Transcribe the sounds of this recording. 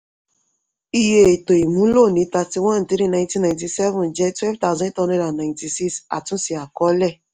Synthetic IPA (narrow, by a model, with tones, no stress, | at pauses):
i˦je˦˨to˨i˨mũ˦lo˦˨ni˨˦ta˧ti˨wã˦n˨ti˦ɾi˦na˨j̃ntĩ˦nːa˨jnti˨sɛ˦vʊ˨n̩˨d͡ʒɛ˦tɛ˦vta˦˨zɔ̃˦i˦tɔ˦ne˦ɾa˨na˨ɪ̃˨nti˨si˦ksa̰˨tʊ̃˦si˨a˨kɔ˦lɛ˦˨